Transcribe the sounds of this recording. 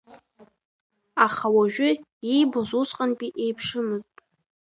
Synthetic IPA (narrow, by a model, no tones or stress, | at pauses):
aχawaʒᶣʏ | ijbʊzusʼqʼanpʼiʔe̞jpʰʂɨmɨztʼ